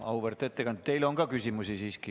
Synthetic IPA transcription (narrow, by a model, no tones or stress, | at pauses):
ɑ̰wuvert̪et̪ːekɑnd̪̚t̪ːe̞jlo̞ŋɡɑkysʲimusisiːski